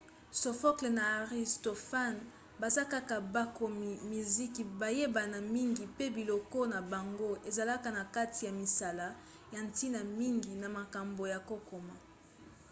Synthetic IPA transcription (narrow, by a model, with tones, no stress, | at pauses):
so˨fɔ˦kle˨na˨a˨ʁi˨sto˨fa˦n | ba˨za˦ka˦ka˨ba˦ko˨mi˨mi˨zi˦ki˨ba˨je˦ba˨na˨mi˦ŋɡi˨pe˦bi˨lo˨ko˦na˨ba˨ŋɡo˦ʔe˨za˨la˦ka˨na˨ka˦ti˨ja˨mi˨sa˨la˦ | ja˨nti˦na˨mi˦ŋɡi˨na˨ma˨ka˨mbo˨ja˨ko˦ko˨ma˨